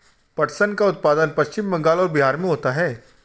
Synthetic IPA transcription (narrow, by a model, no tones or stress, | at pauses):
pɐʈsənkaʊt̪̚paːd̪ənpɐʃt͡ʃɪmːɐ̃ŋɡaːlɔːɾbiɦaːɾmẽɦoːt̪aɦɛː